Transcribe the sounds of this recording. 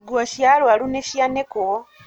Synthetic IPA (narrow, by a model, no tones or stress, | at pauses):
ɡwaʃjalwaluneʃjaneko